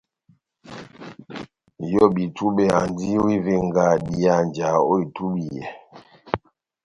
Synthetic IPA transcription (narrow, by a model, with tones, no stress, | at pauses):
jɔ˦bi˨tʰu˦ɓɛ˨a˨n˦di˦wi˦ve˨ŋ˨ɡa˨di˨a˨n˨d͡ʒa˨o˦i˨tu˦ɓi˨jɛ̰˨